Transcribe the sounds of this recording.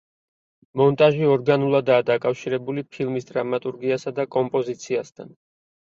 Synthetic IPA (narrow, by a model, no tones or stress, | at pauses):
mɔnt̪ʼaʒiɔɾɡanulˠad̪aːd̪akʼafʃiɾɛbulipʰilˠmisd̪ɾamat̪ʼuɾɡiasad̪akʼɔmpʼɔzit̪sʰiast̪ʰa̰n